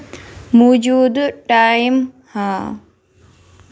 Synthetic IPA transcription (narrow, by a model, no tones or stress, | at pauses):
mud͡ʒuːd̪ʈaːjim | haː